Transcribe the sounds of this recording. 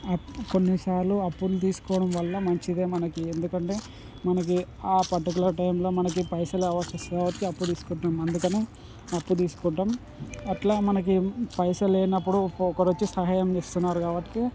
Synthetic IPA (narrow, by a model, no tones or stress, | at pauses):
ɐko̞nːisaːɾluɐpːulut̪iːsu̥kɔːɽɐmʋɐlːɐmɐɲt͡ʃid̪e̞ːmɐnɐkiend̪ukɐɳʈe̞ː | mɐnɐk̬iaːpɐʈːɐk̬ulɐɾʈɐjmlo̞ːmɐnɐk̬ipɐjsɐlɛʋɐt͡ʃɐsaːbɐʈikiɐpːut̪iːsu̥kɔːʈːamɐnd̪ukɐneː | ɐpːut̪̬iːsu̥kɔːʈːɐm | ɐʈlaːmɐnɐk̬ipɐjsɐleːnɐpːuɽuɔkɐɾot͡ʃːisɐɦaːjɐmt͡ʃeːst̪unːaːɾukaːbɐʈːi̥ki